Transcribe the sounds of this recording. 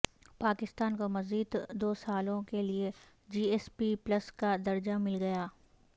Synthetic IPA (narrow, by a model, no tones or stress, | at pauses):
paːkɪst̪aːnkomɐziːd̪d̪oːsaːlõkelie | d͡ʒiːeːspiplɐskad̪ɐɾd͡ʒamɪlɡɐjaː